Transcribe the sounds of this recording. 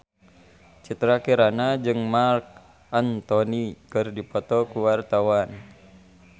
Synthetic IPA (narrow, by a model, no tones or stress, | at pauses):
t͡ʃit̪ɾakiɾanad͡ʒɨŋmark̚ | ant̪ɔnikɨrdipɔt̪ɔkuwart̪awan